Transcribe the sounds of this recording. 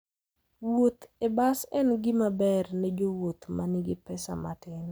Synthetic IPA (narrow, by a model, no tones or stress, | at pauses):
wot̪ebasɛnɡɪmabɛrnɛd͡ʒowot̪manɪɡɪpɛsa̰matɪn